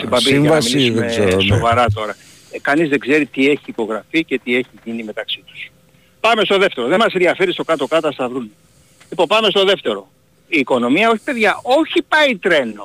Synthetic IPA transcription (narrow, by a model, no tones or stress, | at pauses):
simbɐbiivɐsmiliisðemezeɾoso̞vɐɾɐt̪o̞ɾɐ | kɐnizðe̞ɡze̞ɾit̪ie̞çiːko̞ɣɾɐfice̞t̪ie̞çiʝinime̞t̪ɐksit̪u̥s | pɐme̞st̪o̞ðe̞ft̪e̞ɾo̞ðe̞mɐsenðiɐfe̞ɾist̪o̞kɐt̪o̞kɐt̪ɐst̪ɐvɾun | lipo̞mpɐme̞st̪o̞ðe̞ft̪e̞ɾo̞ | iːko̞no̞miɐo̞çi̥pe̞ðʝɐo̞çipɐit̪ɾe̞no